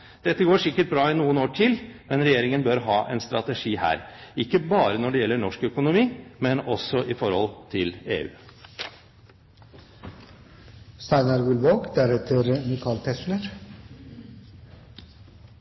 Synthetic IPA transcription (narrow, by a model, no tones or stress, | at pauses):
d̪̥ɛt̪ːəɡoːʂɪkːəʈ̚bɾɑːɪnuːənoːʈʰɪlmɛnɾɛjeːɾɪŋənbœɾɦɑːʔɛ̰nst̪ɾɑt̪əʂiːhæ̰ːɾɪkːəbɑːɾənɔɖɛjɛlːəɳɔʂkœkʊnʊmiːmɛnɔsɔʔɪfɔɾhɔ̰lt̪ʰɪlḛːʉ̰ː | st̪ɑɪnɑɾɡʉlʋoːkd̪æɾɛt̪ʰəɾnɪkʰɑːlt̪ʰɛsnəɾ